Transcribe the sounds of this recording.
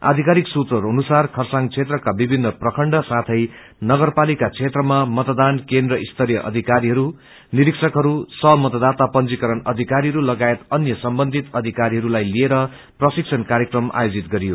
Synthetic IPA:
a̰d̪ʱikaɾiksut̪rʌɦɾuɦʌnusarkʰʌrsaŋt͡sʰet̪rʌkabibʱinːʌprʌkʰʌɳɖʌsat̪ʰʌj | nʌɡʌrpalikat͡sʰet̪rʌmamʌt̪d̪ankend̪rʌʔist̪ʰʌɾjʌʔʌ̰d̪ʱikaɾiɦʌɾu | niɾiksʌkɦʌɾusʌmʌt̪ʌd̪at̪apʌnd͡zikʌɾʌnʌd̪ʱikaɾiɦʌɾulʌɡaet̪ʌnjʌsʌmbʌnd̪ʱit̪ʌd̪ʱikaɾiɦʌɾulajlieɾʌ | prʌsikt͡sʰʌnkaɾjekrʌma̰jod͡zit̪ɡʌɾijo

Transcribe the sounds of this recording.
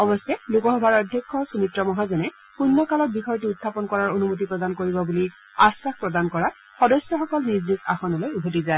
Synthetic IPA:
ɔbɔsɛlukɔxɔbʱaɹɔdʱjɔkʰːɔsumitɹɔmɔɦazɔnɛ | punːɔkalɔt̚bixʰɔjtiutʰːapɔnkɔɹaɹonumut̬ipɹɔdankoɹibɔbuli | asːaxpɹɔdankɔɹa | xɔdɔsjɔxɔkɔlniɹzika̰xɔnɔlojubʱotizae

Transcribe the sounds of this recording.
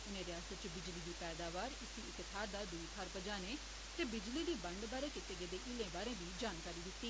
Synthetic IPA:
ʊnẽːɾɪjaːsət̪̚t͡ʃəbɪd͡ʒliːd̪iːpɛːd̪aːʋaːɾɪsiːɪkt̪ʰaːɾd̪aːd̪ʊiːpʰaɾpəd͡ʒaːneː | t̪eːbɪd͡ʒliːd̪iːbəɳɖbaːɾẽːkɪt̪ːeːɡed̪eːʔɪlẽːbaːɾẽːʋiːd͡ʒaːnkaːɾiːd̪ɪt̪ːiː

